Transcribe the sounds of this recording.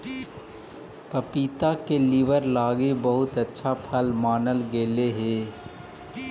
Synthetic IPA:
pɐpiːt̪akelɪʋəɾlaːɡibəɦʊt̪ətːʃʰapʰəlmaːnəlɡeːleɦɛː

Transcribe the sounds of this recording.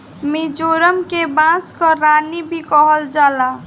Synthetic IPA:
mid͡ʒoɾəmkebãskəɾanibʱikɔɦəld͡ʒala

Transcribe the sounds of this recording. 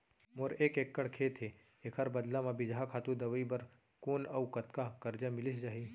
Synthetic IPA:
moːɾeːkeːkːəɽkʰeːt̪ʰɦe | eːkʰɐɾbɐd̪lãmãbɪd͡ʒɦakʰaːt̪ũd̪ɐʋəibɐɾ | koːnɐʊkɐt̪kakɐɾd͡ʒamɪlɪsd͡ʒaːɦiː

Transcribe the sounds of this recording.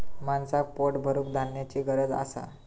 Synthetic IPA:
mansak̚poʈbʱəɾukd̪ʱanjat͡ɕiːɡəɾəd͡za̰sa̰

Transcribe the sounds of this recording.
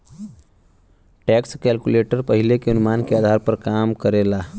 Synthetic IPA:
ʈɛkskɛlkuleʈəɾpəɦilekeunumankead̪ʱaɾpəɾkamkəɾela

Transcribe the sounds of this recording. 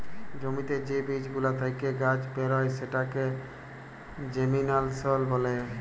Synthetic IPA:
d͡ʒomit̪ed͡ʑebid͡ʑbulat̪ʰajkeɡad͡ʑpeɾɔjseʈake | d͡ʒeminalsɔlbɔle

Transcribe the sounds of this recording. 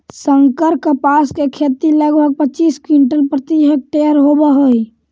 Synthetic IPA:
səŋkəɾkəpaskekʰet̪iləɡbʱəɡ̚pət͡ʃiːskwiɳʈəlpɾət̪id͡ʒɦək̚ʈeəɾɦobəɦoi

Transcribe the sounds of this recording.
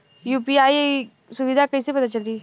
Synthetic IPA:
juːpiaːi | sʊʋid̪ʱakəisepɐt̪at͡ʃɐld̪iː

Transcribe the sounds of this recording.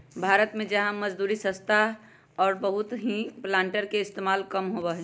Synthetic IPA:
bʱaːɾət̪mẽd͡ʒəɦãmɐd͡ʒd̪uːɾisə̃st̪ʰa | ɔːɾbəɦut̪ɦĩplãːɳʈəɾkeɪst̪emaːlkəmɦobəɦɛ

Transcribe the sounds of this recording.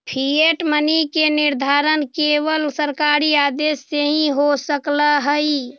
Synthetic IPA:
pʰieʈmənikenɪɾd̪ʱaːɾənkeːwəlsəɾkaːɾiaːd̪eːsːeɦĩɦosəklaɦəi

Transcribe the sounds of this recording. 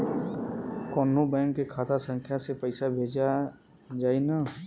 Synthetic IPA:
kɔːnobɛ̃ːŋkːekʰaːt̪ʰasə̃ŋkʰjasepəɪsabʱeːd͡ʒa | d͡ʒaːinaː

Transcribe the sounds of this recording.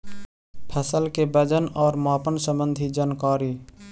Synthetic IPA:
pʰəsəlkebəd͡ʒənɔːɾmaːpənsə̃mbə̃nd̪ʱid͡ʒaːnkaːɾiː

